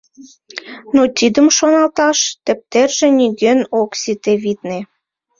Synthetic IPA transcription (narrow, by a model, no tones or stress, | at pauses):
not̪id̪əmʃonɑlt̪ɑʃt̪ə̆p̚t̪erʒĕnʲiɡønoksit̪eβit̪ne